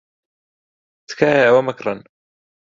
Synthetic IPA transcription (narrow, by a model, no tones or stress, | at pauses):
skaːjawamakɾˤɑn